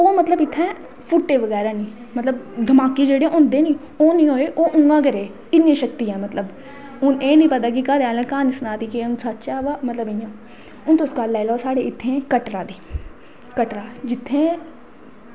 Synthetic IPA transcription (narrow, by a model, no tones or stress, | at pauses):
oːmət̪ləbɪt̪ʰːɛ̃ː | pʰʊʈːeːʋəɣɛːɾaːnĩː | mət̪ləbd̪ʱəmaːkeːd͡ʒeːɽẽːʔʊ̃nd̪eːnĩː | oːnĩːɦoːeːʔoːʔʊŋɡãːkəɾeː | ɪnːĩːʃək̚t̪ijãːmət̪ləb | ʊneːnĩːpət̪aːkɪkaːɾaːlãːkaːnɪsnaːt̪iːkeʊnsat̪ːt͡ʃaːʋaːmət̪ləbɪɲãː | ʊnt̪oskaːlːaːlaːsaːɽeːɪt̪ʰːẽːkəʈɾaːd̪iː | kəʈɾaːd͡ʒɪt̪ʰːẽː